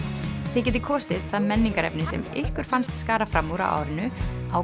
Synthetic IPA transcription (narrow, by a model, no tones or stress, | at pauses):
θɛc̬ɛːt̪̬ɪkʰɔːsɪðθaðmɛnːiŋkaɾɛ̰pnɪsɛ̰mɪhkʏɾ̥fanst̪skaːɾafɾamːuɾa̰wʔa̰ːwɾɪnʏaw